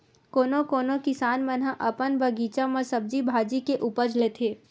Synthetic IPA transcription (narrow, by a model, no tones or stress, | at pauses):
koːnokoːnokɪsaːnmənɦãʔɐpənbɐɡiːt͡ʃãmɐ̃sɐb̚d͡ʒibʱaːd͡ʒikeʔuːpəɾd͡ʒlet̪ʰeː